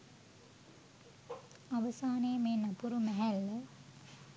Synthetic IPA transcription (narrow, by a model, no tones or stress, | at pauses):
aʋəsaːneːmeːnapuɾumæɦælːə